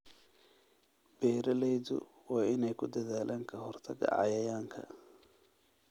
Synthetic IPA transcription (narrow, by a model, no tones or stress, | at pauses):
b̥ɛːɾɐlɛjðʊ̰ | wɑːʔɪnɛjkʰʊd̪ɐðaːlʔaːŋkʰɐɦɔrt̪ʰɐɣɐ̰ʕɑ̰jɐjaːŋkʰɐ̰